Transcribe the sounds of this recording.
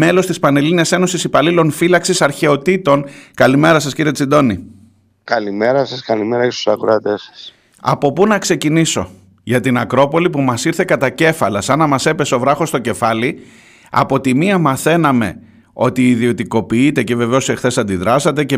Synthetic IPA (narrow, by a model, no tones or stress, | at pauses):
me̞lo̞st̪ispɐne̞liniɐse̞no̞sisipɐlilo̞nfilɐksisɐɾçe̞o̞t̪it̪o̞nkɐlime̞ɾɐsɐsciɾiet͡sid̪o̞ni | kɐlimeɾɐsɐskɐlimeɾɐest̪u̥sɐkuɾɐt̪esɐ̥s | ɐ̰po̞punɐkse̞ciniso̞ | ʝɐt̪inɐkɾo̞po̞lipumɐsiɾθe̞kɐt̪ɐce̞fɐlɐsɐnɐmɐse̞pe̞seo̞vɾɐxo̞st̪o̞ce̞fɐli | ɐ̰po̞t̪imiɐmɐθe̞nɐme̞ | o̞t̪iːðio̞t̪iko̞piit̪e̞ce̞ve̞ve̞o̞sexθe̞sɐnd̪iðɾɐsɐt̪e̞ce